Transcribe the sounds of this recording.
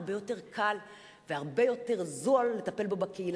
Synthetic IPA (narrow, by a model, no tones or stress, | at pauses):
bejo̞te̞ʁkʰal | veaʁbe̞jo̞te̞ʁzoalːe̞t̪ape̞lbo̞bakeil